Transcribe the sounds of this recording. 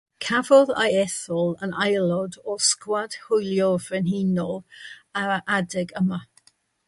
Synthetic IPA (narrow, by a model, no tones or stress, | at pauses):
kʰavɔða̰jɛθɔlˠənajlˠɔdɔskwad̥hʊjlˠjɔvrɛnhiːnɔaaʔadɛɡəma